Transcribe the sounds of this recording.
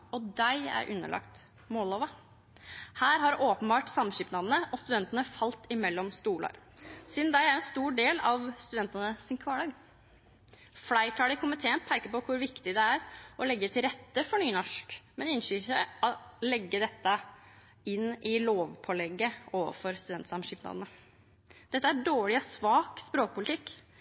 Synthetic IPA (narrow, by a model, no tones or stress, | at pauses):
ɔd̪æɪæ̰ɾʔʉ̰nːə̰ɭʔɑ̰kt̪ | moːloːʋɑ | hæːɾɦɑɾʔoːpənbɑːʈsɑmɕyːpnɑːd̪ənəʔɔst̪ʉd̪ɛnt̪ənəfɑlt̪ɪmɛlːɔmst̪uːlɑ̰ɾ | siːd̪nd̪æɪæɾɛnst̪uːɖeːlɑʋst̪ʉd̪ɛnt̪ənəsɪnkʰʋɑːɭɑːɡ | flæɪʈʰɑːɽɪkʰʊmɪt̪ʰeːənpʰæɪkəpɔkʰʊɾʋɪkt̪ɪd̪ɛæɾʔɔlɛɡːət̪ʰɪlɾɛt̪ːəfɔɳyːnɔʂkmɛnɪnʂyːsæɪɔlɛɡːəd̪ɛt̪ːə | ɪnːɪloːʋpʰɔlɛɡːəoːʋə̰fɔɾst̪ʉd̪ɛnt̪sɑmʃiːpnɑ̰d̪ənə | d̪̥ɛt̪ːəæɖoːɭɪɔsʋɑːkspɾoːk̚pʰʊlɪt̪ʰɪkː